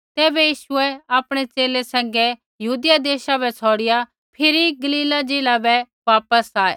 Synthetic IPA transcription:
t̪eːbɛjiːʃʊɛaːpɽ̃et͡ʃeːlesɛ̃ːŋɡɛ | jɐɦuːd̪ɪjad̪eːʃabɛsʰɔːɽɪja | pʰɪɾiɡɐliːlad͡ʒeːlabɛ | ʋaːpəsaːḛː

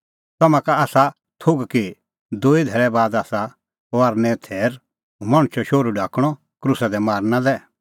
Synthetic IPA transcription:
t̪ɐmãkaaːsa | t̪ʰoɡki | d̪oːid̪ʱɛɾɛbaːd̪aːsa | aɾnɛ̃t̪ʰɛːɾ | maɽ̃t͡ʃʰɔʃoːɾuɖʱaːkɽ̃ɔ | kɾʊsad̪ɛmaːɾnãlɛ

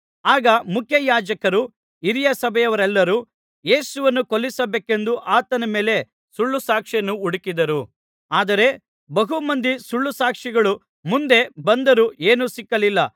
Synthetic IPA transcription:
aːɡɐmukʰjɐjaːd͡ʒɐkɐɾu | iɾijɐsɐbʱɛjɐʋɐɾɛlːɐɾu | je̞ːsuʋɐnːukolːisɐbeːke̞nd̪uʔaːt̪ɐnɐme̞ːle̞ | suɭːusaːkʂenːuuɽikid̪ɐɾu | aːd̪ɐɾe̞ | bɐɦumɐnd̪isuɭːusaːkʂiɡɐɭu | mund̪e̞bɐnd̪ɐɾuʔe̞ːnusikːɐlilːɐ

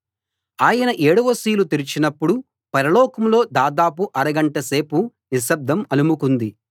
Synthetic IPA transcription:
aːjɐnɐʔeːɽuʋɐsiːlut̪iɾit͡ʃinɐpːuɽu | pɐɾɐlɔːkɐmlo̞ːd̪aːd̪aːp̬uʔɐɾɐɡɐɳʈɐse̞ːpu | nis̬ɐb̚d̪ʱɐmɐlumukund̪i

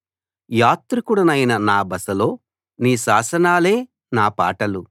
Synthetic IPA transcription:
jaːt̪ɾukuɽɐnɐjnɐnaːbɐsɐlo̞ː | niːʃaːsɐnaːle̞ː | naːpa̰ːʈɐlu

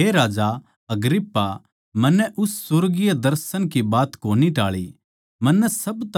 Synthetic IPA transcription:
ɦeɾaːd͡ʒa | ɐɡɾɪpːa | mɐ̃nːɛʔʊsːʊɾɡijad̪ɐɾsənkibaːt̪koːniʈaːɭḭ | mɐnːɛsɐbt̪

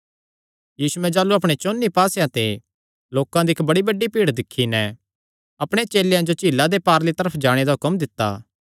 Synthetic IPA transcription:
jiːsuɛ̃d͡ʒaːluɐp̬ɽ̃et͡ʃoːnːipaːsjãt̪e | loːkãd̪iɪkbɐɽibɐɖːipiːɽd̪ɪkʰːinɛ | ɐpɽ̃et͡ʃeːlejãd͡ʒot͡ʃiːlad̪epaːɾlit̪ɐɾəpʰd͡ʒaːɽ̃ed̪aɦʊkəmd̪ɪt̪ːa̰ː

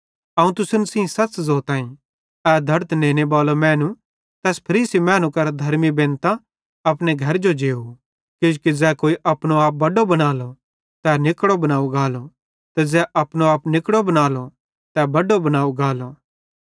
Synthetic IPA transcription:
ɐũt̪ʊsənsĩsɐt͡ʃzoːt̪aːĩ | ɛːd̪ʱɐɾt̪nẽːnebaːlomɛ̃ːnũ | t̪ɛːspʰɐɾiːsimɛ̃ːnũkɐɾd̪ʱɐɾmibẽːnt̪ã | ɐpneɡʱɐɾd͡ʒod͡ʒeːu | kɪd͡ʒkid͡zɛːkoːiʔɐpnoaːp̚bɐɖobɐnaːlo | t̪ɛnɪkɽobɐnaːuɡaːlo | t̪ɛd͡zɛʔɐpñoaːpnɪkɽobɐnaːlo | t̪ɛbɐɖobɐnaːuɡaːlo

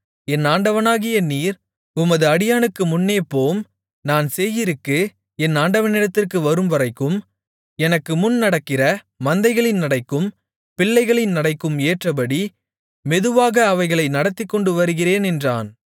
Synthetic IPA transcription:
ɛnaːɳɖɐʋɐnaːɣɪjɐniːɾ | ʊmɐðɯɐɽɪjaːnɯkːɯmʊnːeːpːoːm | naːnsɛjːɪɾɯkːɯ | ɛnaːɳɖɐʋɐnɪɽɐt̪ːɪrkɯʋɐɾɯmʋɐɾɐɪkːɯm | ɛnɐkːɯmʊnnɐɽɐkːɪrɐ | mɐnd̪ɐɪɣɐɭɪnnɐɽɐɪkːɯm | pɪɭːɐɪɣɐɭɪnnɐɽɐɪkːɯmeːʈrɐp̬ɐɽi | mɛðɯʋaːɣɐːʋɐɪɣɐɭɐɪnɐɽɐt̪ːɪkːɔɳɖɯʋɐɾɯɣɪreːnɛndra̰ːn

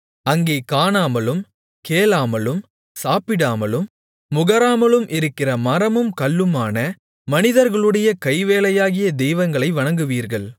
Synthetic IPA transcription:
ɐŋɡeːkaːnaːmɐlɯm | keːlaːmɐlɯm | saːpɪɽaːmɐlɯmː | ʊɣɐɾaːmɐlɯmʔɪɾɯkːɪrɐmɐɾɐmɯmkɐɭːɯmaːnɐ | mɐnɪðɐɾɣɐɭɯɽɐjɐkɐɪʋeːlɐjaːɣɪjɐd̪ɛjʋɐŋɡɐɭɐɪʋɐɳɐŋɡɯʋiːɾɣɐɭ

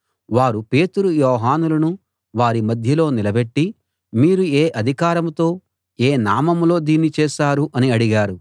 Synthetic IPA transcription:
ʋaːɾupe̞ːt̪uɾujɔːɦaːnulɐnu | ʋaːɾimɐd̪ʱjɐlo̞ːnilɐbeʈːi | miːɾueːʔɐd̪ʱikaːɾɐmt̪o̞ː | eːnaːmɐmlo̞ːd̪iːnːit͡ʃɛːʃaːɾuʔɐniɐɽiɡaːɾu

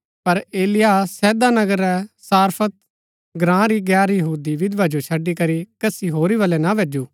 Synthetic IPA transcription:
pɐɾeːlɪjasɛːd̪anɐɡəɾɛsaːɾpʰət̪̚ | ɡɾãːɾiɡɛːɾjɐɦuːd̪iʋɪd̪ʋad͡ʒot͡ʃʰɐɖːikɐɾikɐsiɦoːɾiʋɐlɛnaʋeːd͡ʒuː

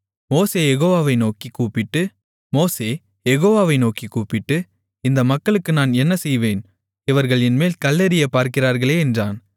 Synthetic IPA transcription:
moːseːjɛɣoːʋaːʋɐɪnoːkikːuːpɪʈːɯ | moːseː | jɛɣoːʋaːʋɐɪnoːkikːuːpɪʈːɯ | ɪnd̪ɐmɐkːɐɭɯkːɯnaːnɛnːɐsɛjʋeːn | ɪʋɐɾɣɐɭɪnmeːlkɐlːɐɾɪjɐpːaːɾkɪraːɾɣɐɭeːɛndraːn

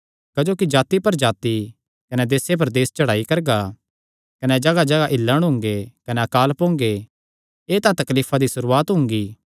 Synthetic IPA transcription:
kɐd͡ʒoːkid͡ʒaːt̪ipɐɾd͡ʒaːt̪i | kɐnɛd̪eːsep̬ɐɾd̪eːst͡ʃɐɽaːikɐɾɡa | kɐnɛd͡ʒɐɡad͡ʒɐɡaʔɪlːəɽ̃ɦʊ̃ŋɡekɐnɛɐkaːlpõːŋɡe | eːt̪ãt̪ɐkliːfʰad̪isʊɾuːaːt̪ɦʊ̃ŋɡiː

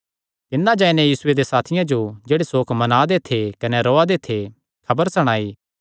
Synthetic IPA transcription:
t̪ɪnːãd͡ʒãːinɛ̃jiːsʊed̪esaːt̪ʰɪjãd͡ʒod͡ʒeːɽesoːkʰmɐnaːd̪et̪ʰekɐneɾɔːad̪et̪ʰe | kʰɐbəɾsɐɽ̃aːi

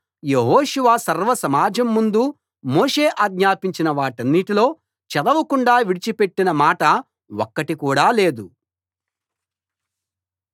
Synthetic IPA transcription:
jeɦoːʃuʋaːsɐɾʋɐsɐmaːd͡ʒɐmːund̪u | moːʂe̞ːʔaːɡɲaːpiɲt͡ʃinɐʋaːʈɐnːiʈilo̞ː | t͡ʃɛd̪ɐʋɐkuɳɖaːʋiɽit͡ʃipe̞ʈːinɐmaːʈɐ | wokːɐʈikuːɽaːle̞ːd̪u

